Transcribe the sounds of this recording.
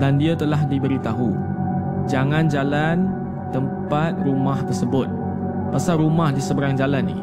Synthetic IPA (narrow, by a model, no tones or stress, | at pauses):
dandiət̪əlahdibəɾit̪aɦu | d͡ʒaŋãnd͡ʒalan | t̪əmpat̪̚rumaht̪ərsəbʊt̪̚ | pasaɾumahdisəbəɾaŋd͡ʒalanːɪ̰